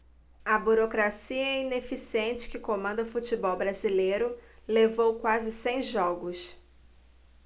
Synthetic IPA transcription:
ɐbuɾokɾasiɐɛĩnefisiẽnt͡ʃɪ̥kɪkomɐ̃nd̪ɐʊfut͡ʃibɔwbɾazilejɾʊlevowkwazɪsẽj̃ʒɔɡʊs

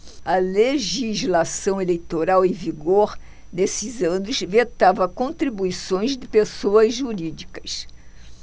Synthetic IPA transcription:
ɐleʒizlasɐ̃w̃elejt̪oɾawẽviɡoɾ | nesɪzɐ̃nʊsvet̪avɐkõnt̪ɾibuisõj̃zd̪ɪpesoɐzʒuɾid͡ʒikɐs

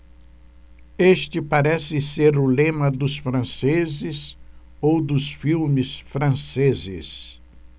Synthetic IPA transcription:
est͡ʃɪpaɾɛsɪseɾʊlẽmɐd̪ʊsfɾɐ̃sezɪs | owd̪ʊsfiwmɪsfɾɐ̃sezɪ̰s

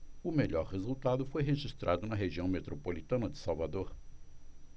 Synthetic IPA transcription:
ʊmeʎɔɾhezult̪ad̪ʊfojɦeʒist̪ɾad̪ʊnɐɦeʒiɐ̃w̃met̪ɾopolit̪ɐ̃nɐd͡ʒɪsawvad̪oɾ

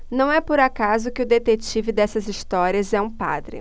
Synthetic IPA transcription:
nɐ̃w̃ɛpoɾakazʊkɪʊd̪et̪et͡ʃivɪd̪ɛsɐziʃt̪ɔɾiɐzɛũpa̰d̪ɾɪ̰

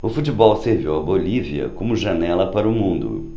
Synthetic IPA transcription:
ʊfut͡ʃibɔwseɾviwɐboliviɐ̰kõmʊʒɐnɛlɐpaɾɐʊmũnd̪ʊ̰

